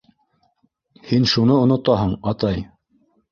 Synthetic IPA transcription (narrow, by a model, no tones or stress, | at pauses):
hinʃunɤonŏt̪ɑɦɤɴɑt̪ɑj